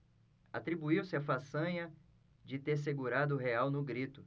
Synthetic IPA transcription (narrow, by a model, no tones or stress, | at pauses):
at̪ɾibuiwsɪafasɐ̃ɲɐ | d͡ʒɪt̪eɾs̬eɡuɾad̪ʊːɦeawnʊɡɾit̪ʊ